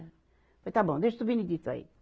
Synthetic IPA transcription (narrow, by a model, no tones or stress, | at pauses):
fojt̪abõd̪eʒd̪subinid̪it̪ɐ̰ḭ